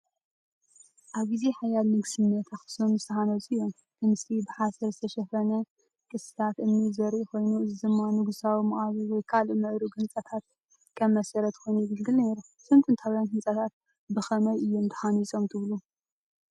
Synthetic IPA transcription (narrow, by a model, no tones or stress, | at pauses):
ʔaβɡize̞ħajalmɨɡsɨnːɐt̪ʰatɨ̥somɨst̪ʰɐhanɐzɨom | t̪ʰɨmsibɨħasɐɾzɨt̪ʰɐʃɛfɐnɐ | kʼɨsɨ̥t̪ʰat̪ʔɨnːizɐɾʔuko̞jnuɨzɨd̪ɨmːanɨɡusawimɐχʼaβiwɔjkʰalmɨʕɾuɡɨnt͡sʼɐt̪ʰat̪̚ | kʰɐmːɐsɐɾɐt̪kʰo̞jnujɪɡɨlɡɨlneɾu | sɨmt̪ʼɨnt̪ʰawijankɨnt͡sʼɐt̪ʰat̪̚ | bɨxɐmɐjɨjːund̪ʰɨ̥ħanisʼo̞mt̪ʰɨβlu